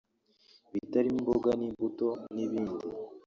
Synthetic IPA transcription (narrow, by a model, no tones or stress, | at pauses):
βitaɾimimboɡanimbuto̞niβiːndi